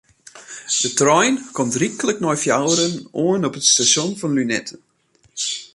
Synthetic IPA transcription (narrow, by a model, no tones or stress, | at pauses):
d̥ətrɔjnkɔmtrikələknɔjfjawəɾənoənɔpətstasonfɔnlynɛtʰə